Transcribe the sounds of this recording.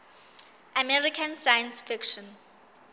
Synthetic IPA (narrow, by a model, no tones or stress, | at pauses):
ʔamɛɹikʰãnsajãnsfikʃɔ̃n